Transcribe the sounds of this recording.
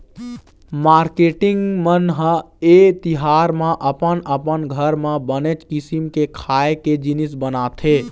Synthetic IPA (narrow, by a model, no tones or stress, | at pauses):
maɾkeʈiŋɡmənɦə | et̪iɦaɾmãʔəpənəpənɡʱəɾmãbənet͡ʃkisimkekʰaeked͡ʒinisbənat̪ʰe